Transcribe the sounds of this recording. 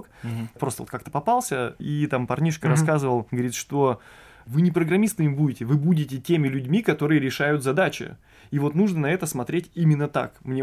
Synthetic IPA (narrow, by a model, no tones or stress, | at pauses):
kpɾost̪əot̪kak̚t̪ə̥pɐpalˠsʲəit̪ampɐrnʲiʂkəɾɐskazɨvəlˠɡəvɐɾʲit̪ʂt̪o | vɨnʲɪpɾəɡɾɐmʲist̪ɨmʲɪbudʲɪtʲɪvɨbudʲɪtʲɪtʲemʲɪlʲʉdʲmʲikɐt̪o̞ɾɨjəɾʲɪʂajʊt̪zɐd̪at͡ɕɪ̰ | ivo̞t̪nuʐnənɐɛt̪əsmɐt̪ɾʲetʲimʲɪnːət̪a̰kmnʲe